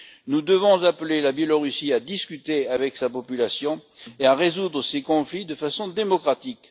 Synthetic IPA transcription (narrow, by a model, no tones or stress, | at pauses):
nud̪əvɔ̃zaplelabjɛlɔʁysiad̪iskʲyt̪eavɛksapɔpylasjɔ̃eaʁezud̪ʁəsekɔ̃flid̪əfasɔ̃d̪emɔkχat̪ik